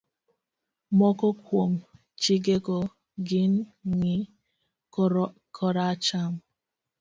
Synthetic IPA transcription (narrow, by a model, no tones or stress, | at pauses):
mɔkɔkʷom̩ | t͡ʃiɡekɔ | ɡin̩ŋi | kʰɔɾat͡ʃam̩